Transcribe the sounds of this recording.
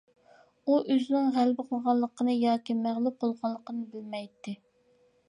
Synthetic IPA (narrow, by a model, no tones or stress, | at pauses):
uʔøzɪnɪŋʁælbɨqʰəlˠʁɑlˠːəqənɨjɑːkʲimæʁlˠup̚bolˠʁɑlˠːəqənɨbɪlmɛjt̪ːɪ